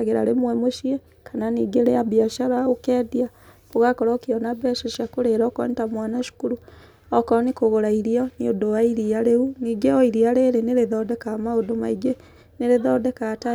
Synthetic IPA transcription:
ɣeɾa̰ɾemwɛmoʃie | kʰananiːɡeɾeabjaʃaɾaɣokɛːdia | oɣakɔɾɔkeɔnabɛʃaʃakoɾeɾakɔ̰netamwanaʃu̥kuɾu | ɔkɔnekoɣoɾaiɾiɔniodowaiɾiaɾeuniːɡeɔiɾiaɾeɾeneɾeðɔdɛkamaodomaiɡe | neɾeðɔdɛkata

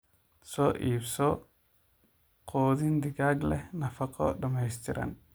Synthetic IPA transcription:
sɔːʔiːbsɔ | qʰɔːðind̪ɪɡaːɡlɛnɐfɐqʰɔ̰ɖɐmɛjst̪ʰɪɾʔɐ̰n

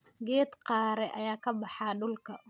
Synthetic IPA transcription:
ɡɛːd̪qɑːɾɛʔɐjaːkʰɐbɑħɑɖʊlkʰɐ

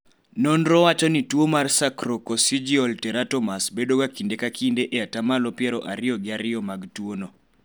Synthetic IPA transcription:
nɔnɾɔwat͡ʃɔnitwomarsakɾokɔsid͡ʒiɔltɛɾatɔmasbedoɡakindekakindeʔeatamalɔpjɛɾɔʔaɾɪɔɡɪaɾɪɔmaɡtwono

